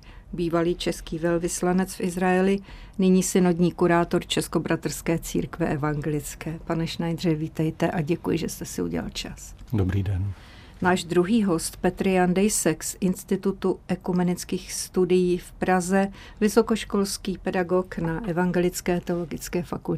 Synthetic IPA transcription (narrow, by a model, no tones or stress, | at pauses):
biːvaliːt͡ʃɛskiːvɛlvɪslanɛt͡sfɪzɾaɛlɪ | nɪɲiːsɪnoɟɲiːkuɾaːt̪o̞ɾt͡ʃɛsko̞bɾʔat̪r̩skɛːt͡sḭːɾkvɛʔɛvaŋɡɛlɪt͡skɛːpanɛʃnajd̪r̝ɛviːt̪ɛjt̪ɛʔaɟɛkujɪ̰ʒɛst̪ɛsɪṵɟɛ̰la̰lt͡ʃa̰sdobɾiːdɛn | naːʒd̪ɾuɦiːɦo̞st̪pɛt̪ɾɪjandɛjsɛksʔɪnst̪ɪt̪ut̪uʔɛkumɛnɪt͡skiːxst̪udɪjiːfpɾazɛ | vɪso̞ko̞ʃko̞lskiːpɛdaɡo̞knaʔɛvaŋɡɛlɪt͡skɛːt̪ɛo̞lo̞ɡɪt͡skɛːfakulɛ